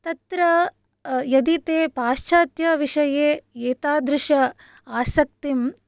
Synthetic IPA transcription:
t̪ɐt̪ɾɐ | jɐd̪it̪eːpaːʃt͡ʃʰɐːt̪jɐʋiʂɐjeːeːt̪aːd̪ɾɪʂɐ | aːsɐk̚t̪im

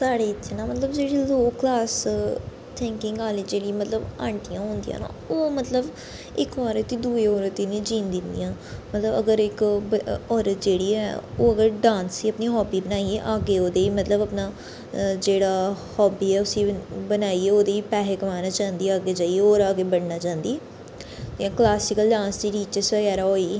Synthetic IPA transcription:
saːɽeːt̪ʰːenãːmət̪ləbd͡ʒeːɽiːloːklaːs | t̪ʰɛ̃ːŋkɪŋɡaːleːd͡ʒeːɽĩːmət̪ləbã̰ːɳʈijãːɦõːnd̪ijã̰ːnã̰ːoːmət̪ləb | ɪkɔːɾət̪ːiːd̪uːeːɔːɾət̪ːinĩːd͡ʒĩːnd̪ɪnd̪ḭjãːmət̪ləbəɡəɾɪkbɔːɾət̪̚d͡ʒeːɽiːɛ̰ːo̰ːəɡəɾɖãːnsiːəpniːɦɔːbiːbənaːieʔaːɡeːoːd̪eːiːmət̪ləbəpnaː | d͡ʒeːɽaːhɔːbiːɛːʊsĩːbənaːiːɛːoːd̪eːiːpɛːɦeːkəʋaːnaːt͡ʃãːnd̪iːaːɡeːd͡ʒaːieoːɾaːɡeːbəɽnaːt͡ʃãːnd̪iːɛː | ãklaːsɪkəlɖãːnsd̪iːɾiːt͡ʃəsəɡɛːɾaːɦoːiː

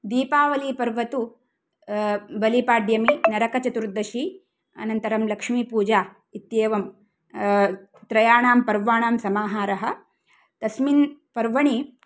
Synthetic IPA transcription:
d̪iːpaːʋɐliːpɐɾʋɐt̪u | bɐlipaːɖjɐminɐɾɐkɐt͡ʃɐt̪uɾd̪ɐʃi | ɐ̰nɐnt̪ɐɾɐmlɐkʂmiːpuːd͡ʒaː | it̪jeːʋɐm | t̪ɾɐjaːɳaːmpɐɾʋaːɳaːmsɐmaːɦaːɾɐɦɐ̆ | t̪ɐsminpɐɾʋɐɳi

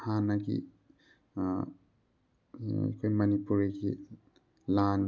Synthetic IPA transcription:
hanaɡḭ | kʰojmʌnipuɹeɡi | lan

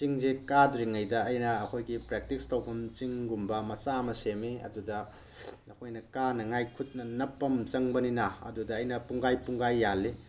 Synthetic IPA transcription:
t͡ʃiŋzekadɾiŋɐjdɐɐjnɐːkʰojɡipɾek̚tikstɐwkʰumt͡ʃiŋɡumbɐmɐt͡ʃamɐsemiɐ̰dudɐ | ɐkʰojnɐkanɐŋajkʰut̚nɐnɐpːɐmt͡ʃɐŋbɐninɐɐ̰dudɐːjnɐpuŋɡajpuŋɡajːalːi

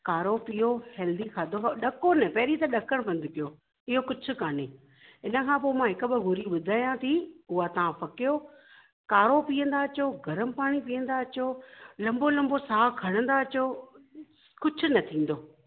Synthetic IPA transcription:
kaːɾopiːohɛːld̪ikʰaːd̪ʱoaɗɐkonɛpɐɦɾit̪ɐɗɐkəɽ̃pɐ̃nd̪ʱɪpijoː | ɪɦokʊd͡ʑʱʰʊ̆kaːne | ɪnə̆kʰãːpoːmãɦɪkʊ̆ɓɪɡʱʊɾiɓʊd̪ʱaːjãt̪ʰiʊɦat̪ɐʋãpɐkɪjoː | kaːɾopiːə̃nd̪aɐt͡ɕoːɡʱɐɾəmpaːɽ̃ipiːə̃nd̪aɐt͡ɕoːlɐ̃mbolɐ̃mbosaːkʰɐɽ̃ə̃nd̪at͡ɕoː | kʊd͡ʑʰʊ̆nɐt̪ʰĩːn̆d̪oː

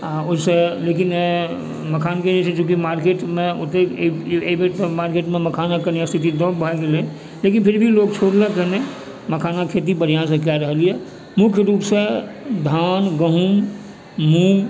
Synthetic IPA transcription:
aʊseleːkɪn | məkʰaːnked͡ʒet͡ʃʰed͡ʒũːk̬imaːɾkeːʈmẽʊt̪eebeʈt̪maːɾkeːʈmẽməkʰaːnakəɾniəst̪ʰit̪id̪ɔːbʱəkele | leːkɪnpʰɪɾbʱiloːɡ̚t͡ʃʰoːɽlekəne | məkʰaːnakʰeːt̪̬ibəɾ̤ijãs̬ekjaɾəɦəliɛ | mʊkʰjəɾuːpsed̪ʱaːnɡəɦum | muː

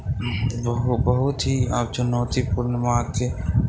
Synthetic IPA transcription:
bɦbɐɦʊt̪ɦiaːp̚t͡ʃɐnɔːt̪ipuɾnəmaːɡkeː

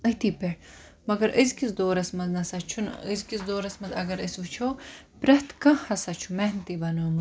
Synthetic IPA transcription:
ət̪ipeɽ | mɐɡɐɾəzkisd̪oːɾɐsmɐznɐsɐt͡ʃʰunə̰zkisd̪oːɾɐsmɐzɐ̰ɡɐɾəsut͡ʃʰoː | pɾɐht̪kɐhɐsɐt͡ʃʰumehnt̪ibɐnoːmu

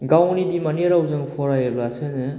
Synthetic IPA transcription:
ɡawnibimaniɾawzɯŋpʰɔɾajɯbasɯnɯ

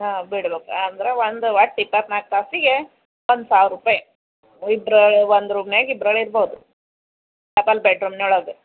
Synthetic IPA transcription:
ɦaːbiɽbeːkund̪ɾeʋond̪ʋɐʈ̚ɖipːɐɾnaːk̚t̪aːsiɡe | ond̪saːʋɾuːpaːj | ibɾɐɭond̪ɾuːpneɡibɾɐɭiɾboːd̪u | lɐpɐlbeʈɾumnoːɭoːd̪e

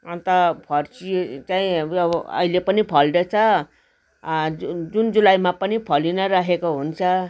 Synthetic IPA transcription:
ʌnt̪ʌpʰʌrt͡sit͡saĩʌʌ̰ilepʌnipʰʌlɖʌt͡sʰʌ | d͡zund͡zulajmapʌnipʰʌlinʌɾaɦekoɦunt͡sʰʌ

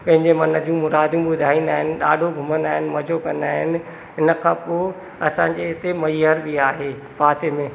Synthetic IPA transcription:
pɐ̃ɦɪ̃ɲd͡ʑemɐnə̆d͡ʑũmʊɾaːd̪jũɓʊd̪ʱaːĩːn̆d̪aːɦɪnɪ̆ɗaːɖʱoɡʱʊmə̃nd̪aːɦɪnɪ̆mɐd͡ʑʱokɐ̃nd̪aːɦɪnɪ̆ | ɦɪnəkʰãːpo | ɐsãːɲd͡ʑeɦɪt̪emɐiɦəɾbiaːɦeː | paːsemẽː

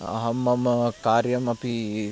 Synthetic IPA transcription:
ɐ̰ɦɐmːɐmkaːɾjɐmɐpi

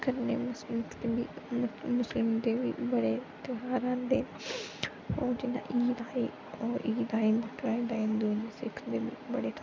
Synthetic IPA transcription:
kəɾnḛmʊslɪmt̪ebimʊslɪmd̪ebibɐɽet̪ɪɦaːɾãnd̪eː | ɔːɾd͡ʒɪnã̰ʔiːd̪aːi | ɔːɾiːd̪aːimʊʈɾaːid̪aɪ̃nd̪unisɪkʰd̪ebḭbɐɽet̪ʰ

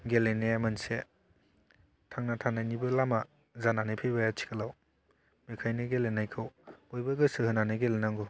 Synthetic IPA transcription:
ɡeleneamanse | tʰaŋnatʰananibɯlama | zananɯjpʰejbajat͡ʃʰi̥kʰalaw | mikʰajnɯɡelenajkʰɯwojbɐɡɯsɯhɯnanɯɡelenaŋɡɔ

